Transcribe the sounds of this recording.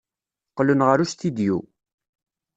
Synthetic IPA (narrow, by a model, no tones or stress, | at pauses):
qːlənʁəɾuʃt̪id̪jṵ